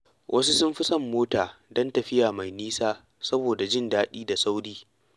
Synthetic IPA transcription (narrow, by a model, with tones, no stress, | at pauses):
wʔɐ˦s̬u˦sʊ˦mɸɪ˦sɐ˦˨mːoː˦taː˨dɐ˦ntɐ˨ɸɪ˦jaː˨ma˨jniː˦saː˦ | sɐ˦boː˨da˨d͡ʒɪ˦ndaː˦ɗiː˦da˨sa˦wɽiː˦